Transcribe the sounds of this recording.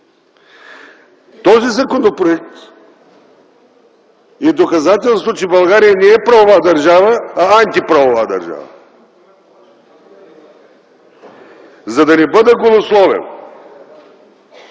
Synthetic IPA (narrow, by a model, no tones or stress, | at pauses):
t̪ɔzizɐkonopɾoɛk̚t̪ | ɛd̪okɐzat̪ɛlˠst̪vot͡ʃɛbɐlˠɡaɾijənɛːpɾɐvovad̪ɐɾʒavəːant̪ipɾavovad̪ɐ̰ɾʒa̰vɐ̰ | zɐd̪ɐnɛbəd̪ɛɡolˠoslˠɔvɛ̰n